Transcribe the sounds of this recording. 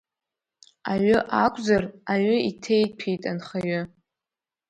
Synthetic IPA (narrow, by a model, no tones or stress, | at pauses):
aɥʊʔakʷʰʼzaraɥʊitʰejpʰitʼanχaɥʊ